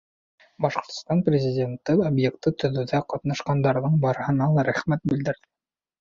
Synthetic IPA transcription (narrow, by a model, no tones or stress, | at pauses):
bɑʃqŏɾt̪̆st̪ɑnprʲɪzʲidʲe̞nt̪ɤobjek̚t̪ɤt̪ɵ̆ðɘ̆wðæqɑt̪nɑʃqɑnd̪ɑɾðɤɴbɑɾɤ̆hɤ̆nɑlˠɑɾæχmæt̪̚bɘ̆ld̪ɘ̆ɾðɘ